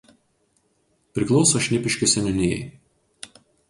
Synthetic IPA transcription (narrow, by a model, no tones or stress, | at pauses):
pʲɾʲɪklˠɔʊsoʃʲnʲɪpʲɪʃʲkʲɪsʲɛnʲʊnʲɪjɛ̰ɪ